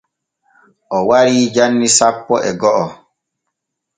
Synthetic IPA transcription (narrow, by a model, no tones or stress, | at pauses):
ʔɔwaɾiːd͡ʒanːisapːɔʔɛɡɔʔɔ